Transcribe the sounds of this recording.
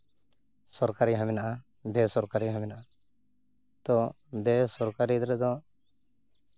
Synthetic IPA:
sɔɾkaɾiɦamɛnaʔa | bɛsɔɾkaɾiɦamɛnaʔa | t̪ɔ | bɛsɔɾkaɾid̪ɾɛd̪ɔ

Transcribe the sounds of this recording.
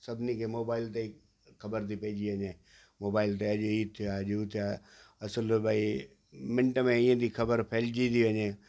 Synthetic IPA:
sɐbʱnikʰemoːbaːɪlt̪e | kʰɐbəɾt̪ipeːd͡ʒiəɲẽː | moːbaːɪlt̪eəd͡ʒiːt̪ʰɪjad͡ʒt̪ʰa | ɐsəlbaːi | mɪ̃ɳʈmẽĩːə̃d̪ikʰəbəɾpʰeːld͡ʒid̪iʋəɲẽː

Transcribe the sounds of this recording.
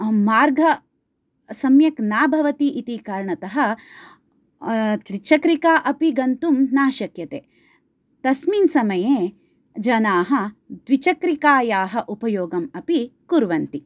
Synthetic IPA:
maːɾɡʱɐ | sɐmjɐknaːbʱɐʋɐt̪iʔit̪ikaːɾɳɐt̪ɐɦɐ̆ | kɾit͡ʃɐkɾikaːʔɐpiɡɐnt̪umnaːʃɐkjɐt̪eː | t̪ɐsminsɐmɐjeː | d͡ʒɐnaːɦɐ̆d̪ʋit͡ʃɐkɾikaːjaːɦɐʔupɐjoːɡɐmɐpikuɾʋɐnt̪i

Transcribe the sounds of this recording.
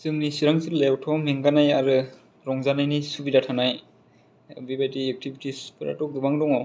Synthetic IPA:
sɯŋnisiɾaŋziɾlewtʰɔmeŋɡanajaɾɯ | ɾɔŋzanajnisubidatʰanaj̰ | bibajdiek̚tʰibitispɯɾa̰tɔɡɯbaŋdɔŋɔ

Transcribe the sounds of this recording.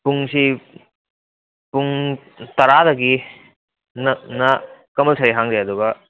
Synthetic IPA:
puŋsi | puŋ | t̪ɐɾadɐɡi | nɐnɐkɐmɐlsʰaɾiɦaŋdeɐd̪uɡɐ

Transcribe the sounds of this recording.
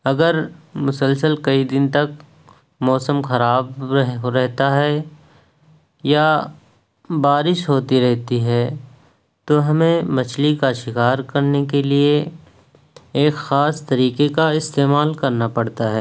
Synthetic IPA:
ɐɡəɾmʊsəlsəlkɐid̪ɪnt̪ɐk̚ | mɔːsəmxɐɾaːbɦɾɛɦt̪aɦɛ | ja | baːɾɪʃɦoːt̪iɾɛɦt̪iɦɛ | t̪oɦɐmẽmɐt͡ʃʰlikaʃɪkaːɾkɐɾnekelie | eːkxaːst̪ɐɾiːkekaɪst̪eːmaːlkɐɾnapɐɽt̪aɦɛː

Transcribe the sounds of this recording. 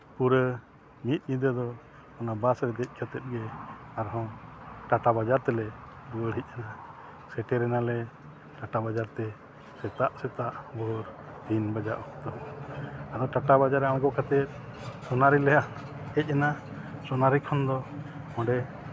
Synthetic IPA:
puɾə | mit̪̚ˀɲid̪əd̪ɔ | ɔnabasɾɛd̪ɛc̚ˀkʰat̪ɛt̪̚ɡɛaɾɦɔ̃ʈaʈabad͡ʒaɾt̪ɛlɛd̪uəɽ̤ic̚ˀana | sɛʈɛɾɛnalɛ | ʈaʈabad͡ʒaɾt̪ɛ | sɛt̪aʔsɛt̪aʔbɔɾ | d̪inbad͡ʒaʔɔkt̪ɔ | ad̪ɔʈaʈabad͡ʒaɾɛãɡɔkʰat̪ɛt̪̚sɔnaɾilɛja | ɛc̚ˀana | sɔnaɾikʰɔnd̪ɔ | ɔ̃ɳɖɛ

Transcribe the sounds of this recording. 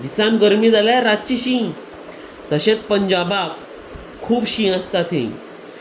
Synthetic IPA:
d̪isãmɡəɾmid͡zalaɾat̪̚t͡ɕiɕĩ | t̪əɕet͡spəɲd͡ʑabakʰː | uːbɕĩəst̪at̪ʰḛ̃

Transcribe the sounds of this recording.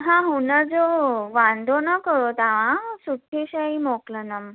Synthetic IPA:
ɦãɦunad͡zoʋand̪ʱonakəɾot̪aʋãsutʰːeɕaimoklənam

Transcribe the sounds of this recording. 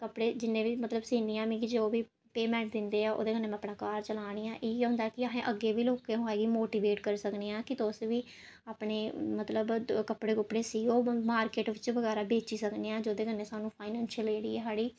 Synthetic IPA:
kəpɽeːd͡ʒɪnːẽːʋiːmət̪ləbsiːniːãːmĩːkɪd͡ʒeoːʋiː | peːmɛ̃ːɳʈ̚d̪ɪnd̪eːaːʔo̰ːd̪eːɡənːẽːɛ̃aəpɳãːkaːɾt͡ʃəlaːɽ̃iːãːʔeːɦʊ̃ːnd̪aːɛːkɪaɦẽːʔəɡːeːʋiːloːkẽːɦoːɛːɡiːmoːʈiːʋeːʈkəɾsəkneːãːkɪt̪oːsʋiː | aːpɳeːmət̪ləbkəpɽeːkʊpɽeːsiːɡoːmaːɾkeːʈʋɪt͡ʃʋəɡɛːɾaːbeːt͡ʃiːsəkneːãːd͡ʒoːd̪eːkənːeːsaːnũːpʰaːɪnɛːnʃəleːɽiːeːɦaːɽiː

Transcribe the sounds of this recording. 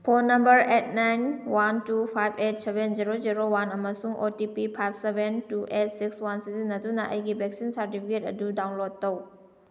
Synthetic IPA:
pʰonːɐmbɐɾet̚ʰnajnwantupʰajbʰet̚sebenziɾoziɾowanɐmɐsuŋotipipʰajb̚ʰsebʱentuʔet̚sikswansizinːɐdunɐʔɐ̰jɡibʱek̚sinsɐɾtipʰiketɐ̰dudawnlod̚ːow

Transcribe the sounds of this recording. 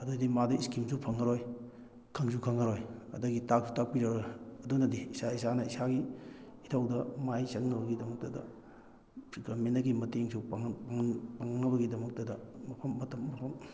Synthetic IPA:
ɐdudimaduiskimsupʰɐŋɐɾoj | kʰɐŋsukʰɐŋɐɾojɐ̰dɐɡitak̚su̥tak̚piɾaɾɐdunɐdiːsaisanɐisaɡiː | tʰawdɐmajsɐŋnɐbɐɡidɐmɐk̚tɐdɐ̰ | ɡɐmenɐɡimɐteŋsupaŋaŋpaŋnɐβɐɡidɐmɐk̚tɐdɐmɐpʰɐmːɐtɐmːɐpʰɐm

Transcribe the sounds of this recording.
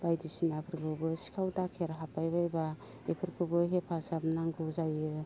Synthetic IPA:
b̥ajdisinapʰɯɾɡʰɯbɯsi̥kʰawtakʰeɾɦapajbajba | epʰɯɾkʰɯbɯɦepʰasapnaŋɡɯzajɯ

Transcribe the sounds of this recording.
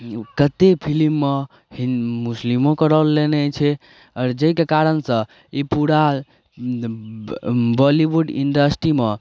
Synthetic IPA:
kət̪epʰilimːe | imuslimõkəɾəlːenɛt͡ʃʰɛ | ɔɾd͡ʒəɦikekaɾənsə̃ | ipuɾa | bɔliʋuɖḭnɖəsʈɾime

